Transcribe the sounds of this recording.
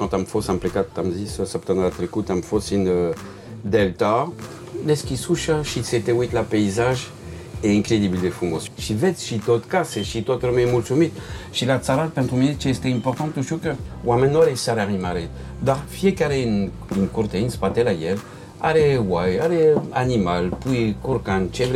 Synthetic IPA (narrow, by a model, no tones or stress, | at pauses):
kɑ̃t̪amfɔsamplekat̪t̪ːamzisøsapt̪ɑ̃nɾat̪ɾekut̪amfɔsinø | d̪ɛlt̪a | lɛskʲisuʃaʃiset̪ewit̪lapeizaʒ | eɛ̃kʁed̪ibld̪efumosʃivɛt̪ʃit̪ot̪kasɛʃit̪ot̪ɾəmɛmulsumit̪ʃilat̪saɾat̪̚pɛnt̪ɾuminet͡ʃeest̪eimpoʁt̪ɑ̃nt̪uʃt̪iukəwamɛnːoaɾesaɾaʁimaɾed̪aʁfiekaɾen | inkurt̪einspat̪elajɛl | a̰ɾewajaɾeanimalpujkuɾkant͡ʃevɾ